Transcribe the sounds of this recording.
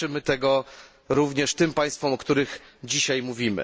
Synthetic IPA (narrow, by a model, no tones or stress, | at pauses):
ɘmɘt̪ɛɡɔ | ɾuvɲɛʂt̪ɘmpaj̃st̪fɔmɔkt̪uɾɘɣd͡ʑiɕajmuvʲimɘ̰